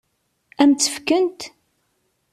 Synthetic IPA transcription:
æmt͡sːə̥fkənt̪

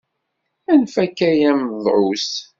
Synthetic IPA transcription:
ænfækːæjæmðˤʕus

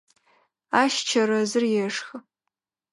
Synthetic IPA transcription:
aʃt͡ʃʰɐrɐzɨrjɛʂxə

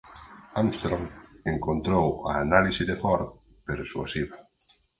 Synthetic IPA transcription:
amst̪ɾomeŋkont̪ɾowa̰ːnalisiðefɔɾ | peɾsua̰siβɐ

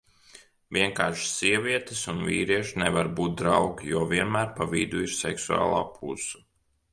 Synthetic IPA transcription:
viɛŋkaːɾʃsiɛvʲiɛt̪esunvʲḭːɾiɛʃnevaɾbuːt̪̚d̪ɾawɡʲjuɔviɛnmæːɾpavid̪uiɾsɛ̰ksua̰ːlˠa̰ːpʰṵsu̥

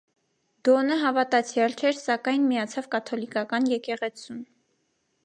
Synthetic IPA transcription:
d̪̥ɔnəɦɑvɑt̪ɑt͡sʰjɑlt͡ʃʰɛɾsɑkɑjnmijɑt͡sʰɑvkɑt̪ʰɔlikɑkɑnjɛkɛʁɛt͡sʰum

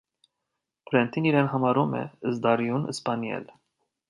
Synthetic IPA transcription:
pʰɾɛnt̪ʰiniɾɛnɦɑmɑɾumɛ̰əzd̪ɑɾijunə̰spɑnjɛ̰l

